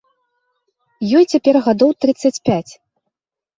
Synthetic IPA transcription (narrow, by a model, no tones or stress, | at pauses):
jɔjt͡sʲapʲɛrɣad̪ɔwt̪ɾɨt̪sːɐt͡sʲpʲat͡sʲ